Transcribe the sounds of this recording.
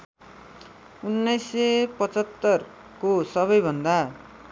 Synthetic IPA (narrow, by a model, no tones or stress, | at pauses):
unːʌjsepʌt͡sʌt̪ːʌr | kosʌβʌjbʱʌnd̪a